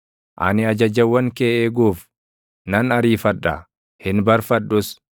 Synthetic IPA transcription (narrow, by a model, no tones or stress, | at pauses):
ʔɐ̰nɪɐd͡ʒɐd͡ʒɐwːɐŋkeːʔeːɡuːf | nɐnɐɾiːfɐᶑːɐ | hɪnbɐɾfɐᶑːʊs